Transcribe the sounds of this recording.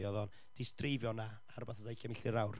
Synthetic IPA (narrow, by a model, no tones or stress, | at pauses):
ɔðɔn | d̥ɪstrejvjɔna | arbaθadajkʰamɪɬɪɾawr